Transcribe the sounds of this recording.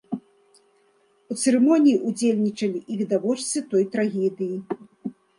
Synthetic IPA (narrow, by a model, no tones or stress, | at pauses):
ut̪sɛɾɛmɔnʲijiʔud͡zʲelʲnʲit͡ʂɐlʲiʔiɣd̪avɔt͡ʂt̪sɨt̪ɔjt̪ɾaɣʲɛd̪ɨji